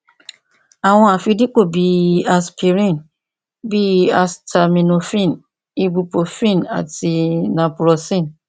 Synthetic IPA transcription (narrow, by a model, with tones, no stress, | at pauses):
a˨w̃ɔ̃˦a˨fi˧˦di˦k͡po˦˨bi˨˦a˨spʰi˨ɾĩ˦˨n | bi˦a˨stʰa˨mĩ˨no˨fĩ˦˨n | i˦bu˧po˨fĩ˦˨na̰˨ti˧nã˨pu˨ɾɔ˨sĩ˦˨n